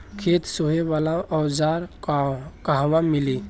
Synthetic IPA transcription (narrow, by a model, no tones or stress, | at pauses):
kʰet̪soɦeʋalaɔwd͡ʒaɾ | kaɦwãmili